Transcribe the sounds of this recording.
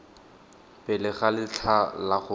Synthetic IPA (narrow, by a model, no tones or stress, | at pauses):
pʼɛlɪχalɪt͡ɬʰalaχʊ